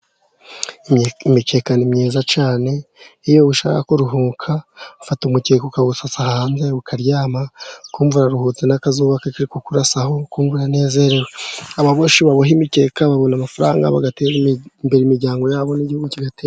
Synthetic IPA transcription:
imike̞ːkanimɲeːzat͡ʃaːne̞ijo̞βuʃa̰ːkakoɾuɦuːkʰafatumuceːkoukaβusasahaːnze̞ukʰaɾjaːmakuːɱvuɾaɾuhuːt͡senakazuːβakakiɾikokuɾasaho̞kuːɱvuɾane̞ːze̞ɾeɾweaβaβoʃiβaβoɦimike̞ːkaβaβo̞namafaɾa̰ːŋɡa̰βa̰ɡateɾimbe̞ɾimiɾɟaːŋɡo̞jaːβo̞niɟihuɡuciɡatea

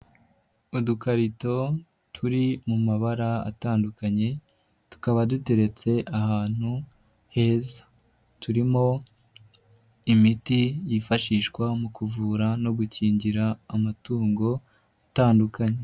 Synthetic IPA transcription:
udukaɾito̞ | tʰuɾimumaβaɾaa̰taːndukaɲe̞ | tu̥kaβadute̞ɾe̞t͡se̞ʔahaːn̥hu | he̞ːzḁ | tuɾimo̞ | imitijifaʃiːʃkwamukuvuːɾano̞ɡuciːɲɟiɾaːmatuːŋɡo̞ | ataːndukaɲe

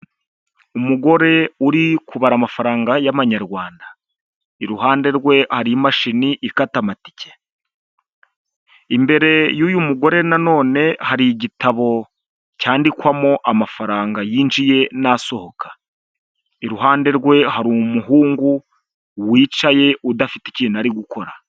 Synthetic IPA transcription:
umuɡo̞ɾe̞uɾikʰuβaɾamafaɾaːŋɡajaβaɲaɾɡwaːnda | iɾuɦaːnde̞ɾɡwe̞haɾimaʃiniʔikatamati̥ce | imbe̞ɾe̞juːjumuɡo̞ɾe̞nano̞ːne̞haɾiɟitaβo̞ | caːndikwamo̞ʔamafaɾaːŋɡajiːnd͡ʒije̞naso̞ho̞kʰḁ | iɾuɦaːnde̞ɾɡwe̞ɦaɾumuɦuːŋɡu | wiːt͡ʃaje̞ʔudafiti̥ciːnuaɾiɡukʰo̞ɾa

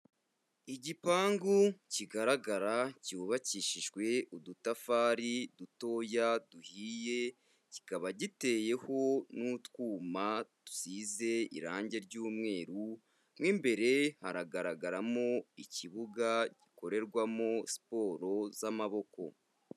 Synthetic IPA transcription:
iɟipaːŋɡuciɡaɾaɡaɾacuβaciːʃiʒwe̞udutafaːɾiduto̞ːjaduhiːje̞ | ci̥kaβaɟite̞ːje̞ho̞nutwuːmad̥u̥siːze̞ḭɾaːɲɟe̞ɾɟuːmŋe̞ːɾu | mŋimbe̞ɾe̞haɾaɡaɾaɡaɾamoiciβuɡaɟiko̞ɾe̞ɾɡwamo̞si̥po̞ːɾo̞zamaβo̞ko̞̰

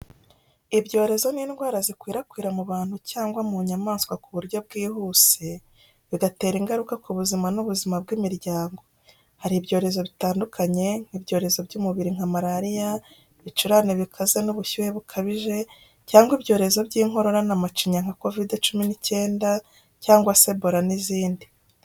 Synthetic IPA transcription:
ibɟo̞ːɾe̞zo̞ninɡwaːɾazikwiːɾakwiːɾamuβaːn̥hucaːŋɡwamuɲamaːnskwakuβuɾɟo̞b̚ɡiːhuːse | βiɡate̞ːɾiŋɡaɾukakuβuzimanuβuzimabɡimiɾɟaːŋɡo̞ | haɾibɟo̞ːɾe̞zo̞βitaːndukʰaɲe̞ŋ̥ibɟo̞ːɾe̞zo̞bɟuːmuβiɾiŋ̥amaɾaɾija | βit͡ʃuɾaneβikʰazenuβuçuhe̞βukʰaβiʒe̞ | caːŋɡwibɟo̞ːɾe̞zo̞bɟiːŋ̥ɦo̞ɾo̞ɾanamat͡ʃiɲaŋ̥hako̞videt͡ʃuminice̞ːnda | caːŋɡwase̞bo̞ɾaniziːndi

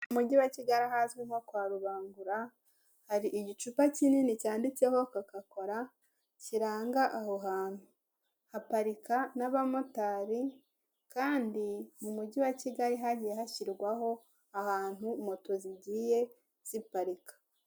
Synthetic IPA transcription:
umuɟiwaciɡaɾiɦazɡwimhokwaːɾuβaːŋɡuɾa | haɾiʔiɟit͡ʃupacininicaːndit͡se̞ho̞kakako̞ɾa | ciɾaːŋɡaʔahoɦaːn̥hu | hapaɾikanaβamotaɾi | kaːndimumuɟiwaciɡaɾiɦaɟijehaçiɾɡwaɦo̞ | ahaːn̥humo̞toziɟiːje̞ | z̥ipaɾikḁ

